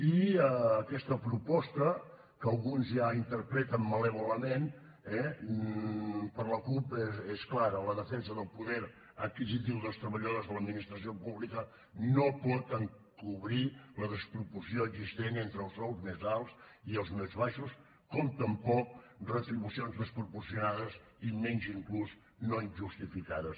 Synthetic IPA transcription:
iəːkɛst̪əpɾupɔst̪ə | kəlˠɣunzjaint̪əɾpɾɛt̪əmːələβuləmen | ɛ | pəɾləkupesklaɾələðəfɛnsəðəlˠpuðɛɾ | ət̪̚kizit̪̬iwðəlˠst̪ɾəβəʎoðəzðələd̪minist̪ɾəs̬iopuβlikə | nopɔt̪əŋ | kuβɾiləðəspɾupuɾsioəɡzist̪enent̪ɾəlˠsɔwˠzmezalˠsiəlˠzmezβaʃus | komt̪əmpɔk̚rət̪ɾiβusionzðəspɾupuɾsijunaðəz | imɛnziŋkluz | noinʒust̪ifikaðəs

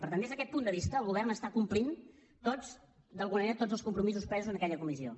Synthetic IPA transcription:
pəɾt̪and̪ezðəkɛt̪pund̪əβist̪əːlˠɣuβɛrnəst̪akumplin | t̪od͡z | d̪əlˠɣunəməneɾət̪od͡zəlˠskumpɾumizuspɛzuzənəkɛʎəkumizio̰

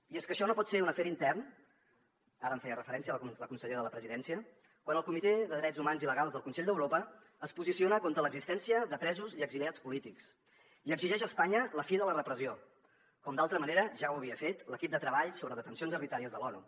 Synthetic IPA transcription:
ieskəʃɔnopɔt̪seɾunəfɛɾint̪ɛrn | aɾəɱfɛjərəfəɾɛnsiəlləkunsəʎeɾəðələpɾəziðɛnsiə | kwanəlˠkumit̪eðəðɾɛdzumanziləɣalˠzðəlˠkunsɛʎd̪əwɾopəː | spuzisionəkont̪ɾələɡzist̪ɛnsiəðəpɾɛzuziəɡziliat͡spulit̪iks | iəɡziʒɛʃəspaɲələfiðələrəpɾəzio | kɔmd̪alˠt̪ɾəməneɾəʒawəβ̞iəfet̪ləkip̚d̪ət̪ɾəβaʎsoβɾəðət̪ənsionzərβit̪ɾaɾiəzðəlɔnṵ

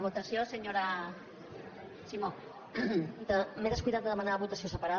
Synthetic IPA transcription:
βut̪ɐsjoseɲoɾa | simo | d̪əmeðəskujðat̪̚d̪əðəmanaβut̪ɐsiosəpaɾa

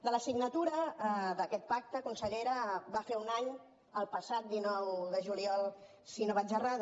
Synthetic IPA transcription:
d̪ələsiɡnət̪uɾəðəkɛt̪̚pak̚t̪əkunsəʎeɾəbafeunaɲ | əlˠpəsat̪̚d̪inɔwðəʒuliɔlˠ | sinoβad͡ʒərað

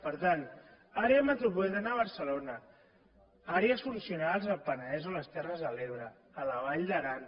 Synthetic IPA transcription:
pəɾt̪an | aɾeəmət̪ɾupuɛðanaβ̞əɾsəlonə | aɾeəsfunsiunalˠzəlpənəðɛzoləst̪ɛrəzðəleβ̞ɾəː | ləβ̞aʎd̪əɾan

